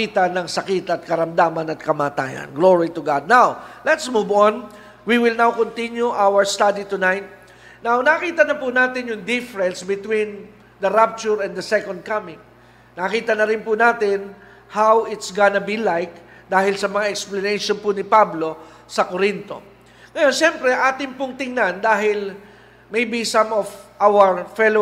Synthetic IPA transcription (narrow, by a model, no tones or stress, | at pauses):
it̪ɐnɐŋsɐkit̪ɐt̪̚kɐɾɐmd̪aːmɐnɐt̪̚kɐmaːt̪a̰ːjɐ̰nɡloɹit̪ʊɡad̪̚nawlɛt̪smuvon | wiwɪlnawkont̪injuʔawəɹst̪ad̪it̪ʊnajt̪̚ | nawnɐkiːt̪ɐnɐpʊnaːt̪ɪnjʊŋd̪ɪfɛɾɛ̃nsbɪt̪wĩn | d̪ɐɾap̚t͡ʃʊɹɛnd̪ɐsɛkond̪̚kamɪ̃ŋ | nɐɐkiːt̪ɐnɐɾɪnpʊnaːt̪ɪn | hawɪt̪sɡanɐbilajk̚ | d̪aːhɪlsɐmɐŋaʔɛksplɐnɛjʃonpʊnɪpablo̞ | sɐkoɾint̪o̞̰ | ŋɐjo̞nʃɛmpɾɛʔaːt̪ɪŋpʊŋt̪ɪŋnand̪aːɦɪl | mejbisɐmovʔawɐɹfɛlo